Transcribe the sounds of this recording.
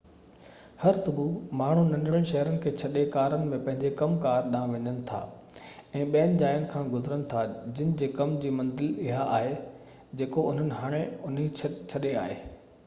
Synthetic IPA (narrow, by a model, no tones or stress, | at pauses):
hɐɾsʊbʱumaːɳ̤unɐ̃nɖɽəɽ̃ʃɐɦɾənɪ̆kʰeːt͡ɕʰɐɗekaːɾənɪ̆mẽpɐ̃ɦɪ̃ɲd͡ʑekɐmkaːɾɗãːʋɐ̃ɲənɪ̆t̪ʰa̰ː | ɛ̃ːɓɛːnɪ̆d͡ʑaːjənɪ̆kʰãːɡʊzɪɾənɪ̆t̪ʰad͡ʑɪnɪ̆d͡ʑeːkɐmd͡ʑiːmɐ̃nd̪ɪlɪɦaʔaːɦe | d͡ʑeːkoʊn̤ənɪ̆ɦaːɽ̃eʊnɦit͡ɕʰɐɗea̰ːɦḛː